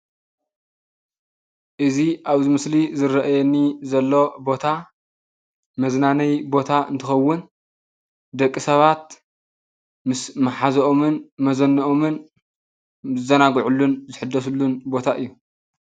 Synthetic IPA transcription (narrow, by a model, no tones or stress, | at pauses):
ʔɨziʔaβzimɨslizɨɾɐʔajɛnizɐlːo̞bo̞t̪ʰa | mɐznanɐjbo̞t̪ʰaʔɨnt̪ʰɨxɐwːʊn | d̪ɐkʼːisɐβat̪̚ | mɨsmɐħazoʔomɨnmɐzɐnːɐʔomɨn | zɨzɐnaɡʕulːunzɨħɨd̪ːɐsulːunbo̞t̪ʰaʔɨjːu